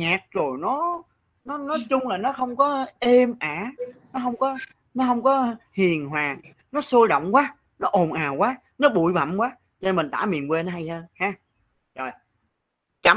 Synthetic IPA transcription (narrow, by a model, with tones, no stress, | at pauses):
ɲaː˨˩k̚zo˨˩jnɔ˨˦ | nɔ˨˦nɔ˨˦jt͡ɕʊ˧ŋ͡mlaː˨˩nɔ˨˦xə˧wŋ͡mkɔ˨˦ʔe˧mʔaː˧˩˨nɔ˨˦ɦə˧wŋ͡mkɔ˨˦ | nɔ˨˦ɦə˧wŋ͡mkɔ˨˦hi˨˩ənɦwaː˨˩ŋ | nɔ˨˦soː˧ɗɔ̰˧˨wŋ͡mkwaː˨˦ | nɔ˨˦ʔo˨˩nʔaː˨˩wkwaː˨˦ | nɔ˨˦ɓṵ˧˨jva̰˨˧˩mkwaː˨˦ | t͡ɕɔ˧ne˧nmï˨˩ŋ̟t̪aː˧˩mḭ˨ənkwe˧nɔ˨˦ɦa˧jt̪ʰəː˧haː˧ | zo˨˩j | t͡ɕa˧˩